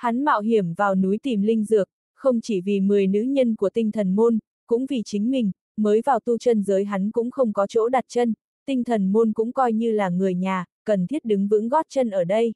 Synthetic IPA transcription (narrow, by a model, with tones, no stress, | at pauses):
ha˨˦nma̰ː˧˨wɦi˧˩əmvaː˨˩wnu˨˦jt̪i˨˩mlï˧ŋ̟zɨ˨˩ək̚ | xə˧wŋ͡mt͡ɕi˧˩vi˨˩mɨ˨˩əjnɨ̰˧˥ɲə˧nku˧˩ət̪ï˧ŋ̟t̪ʰə˨˩nmo˧n | kʊ̰˧˥ŋ͡mvi˨˩t͡ɕï˨˦ŋ̟mï˨˩ŋ̟ | məː˨˦jvaː˨˩wt̪u˧t͡ɕə˧nzəː˨˦jɦa˨˦jŋkʊ̰˧˥ŋ͡mxə˧wŋ͡mkɔ˨˦t͡ɕo̰˧˥ɗa˨˩t̚t͡ɕə˧n | t̪ï˧ŋ̟t̪ʰə˨˩nmo˧nkʊ̰˧˥ŋ͡mkɔ˧jɲɨ˧laː˨˩ŋɨ˨˩əjɲaː˨˩kə˨˩nt̪ʰi˦˥t̚ɗɨ˨˦ŋvɨ̰˧˥ŋɣɔ˦˥t̚t͡ɕə˧nʔəː˧˩ɗə˧j